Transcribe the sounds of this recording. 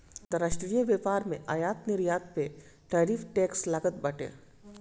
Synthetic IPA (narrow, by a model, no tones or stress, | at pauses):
d̪əɾəʃʈɾijəʋeːpaːɾmẽʔaːjaːt̪nɪɾjaːt̪̚pe | ʈaːɾiːfʰʈɛːkslaɡət̪̚bɐʈḛː